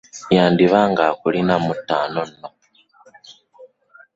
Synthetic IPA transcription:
jaːndiβaːŋɡakulinamutːaːnon̩no

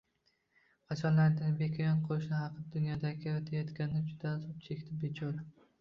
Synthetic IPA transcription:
qʰɑt͡ʃʰɒnlaɾd̪ɪnbekʲʰajɒnqʰoʃnɪhɑqɨd̪ʊnjɒd̪aɡʲɪt̪ʰajɒt̪kʲanɪnad͡ʒʊd̪azʊp̚t͡ʃʰe̞kʲt̪ʰɪbet͡ʃʰɒl

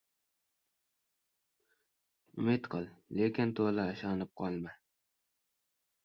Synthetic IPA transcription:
ʊmɪt̪qʰɨlˠlekʲɪnt̪ʰolˠaːʃɑnɪp̚qʰɒlˠma

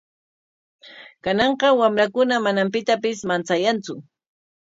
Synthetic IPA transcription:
kanɑɴqɑwamɾakʊnamanampɪt̪apɪsmant͡sajant͡sʊ

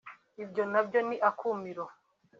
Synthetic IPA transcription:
ibjo̞nabɟo̞niʔakʰuːmiɾo

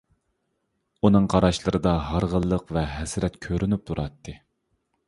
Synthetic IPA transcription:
unɨŋqʰɑɾɑʃlˠəɾɨd̪ɑɦɑɾʁəlˠːəqvɛɦɛsɾɛt̪kʲʰøɾʔynyp̚t̪ʰuɾɑt̪ːɨ

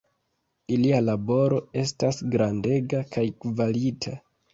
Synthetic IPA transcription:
ilialabo̞ɾo̞e̞stasɡɾande̞ɡakajkvalitʰa

